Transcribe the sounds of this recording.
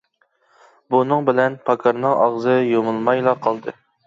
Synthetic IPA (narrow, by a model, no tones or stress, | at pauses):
bunɨŋbɪlɛnpʰɑkʰɑɾnɨŋɑʁzɨjomɨlˠmɑjlˠɑqʰɑlˠd̪ɨ